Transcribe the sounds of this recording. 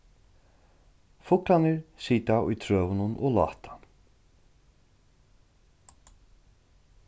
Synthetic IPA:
fʊklanɪɹsiːt̪aʊjt̪ʰɾœːʋʏnʊnʔɔ̰ɣlɑ̰ːht̪ḁ

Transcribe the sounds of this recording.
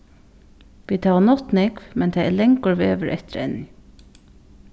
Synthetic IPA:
ʋiːt̪ʰɑːʋanɔt̪nɛkʋmɛnt̪ʰæɛlɛŋkʊɹʋḛːʋəɾʔɛ̰t̪ɪɾɛ̰nːɪ

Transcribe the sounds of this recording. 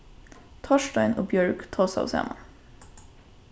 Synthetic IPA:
t̪ʰɑʃtœʏnʔoːbjœɹɡt̪ʰɑːsɑ̰ʊsæ̰mə

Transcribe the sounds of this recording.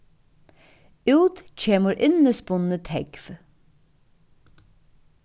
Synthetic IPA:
ʉːt̪c͡çʰeːməɾʔɪnəspʊnət̪ʰɛkf

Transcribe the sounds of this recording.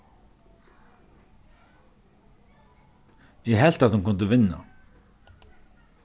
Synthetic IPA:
jɛɦɛl̥t̪aðt̪hunkʰʊnt̪ɪvɪnːa̰

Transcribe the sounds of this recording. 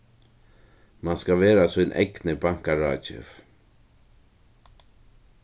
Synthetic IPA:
manskaʋeːɾasunʔɛ̰ɡnəbaŋ̥kaɹaːt͡ʃɪ̰f

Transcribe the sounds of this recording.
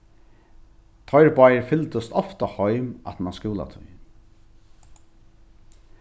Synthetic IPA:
t̪ʰɔjɹpajɾfɪlt̪əst̪ɔft̪ahɔʏma̰t̪manskuːla̰t̪ʰʊ̰j

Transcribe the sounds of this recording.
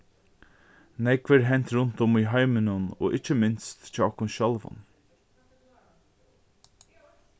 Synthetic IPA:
nɛkvəɾɦɛjnt̪ɾʊnt̪ʊmiɦɑɪmɪnʊno̰ːʔɪt͡ʃːəmɪnst̪t͡ʃɔːɔhkʊnʃœlvʊ̰n

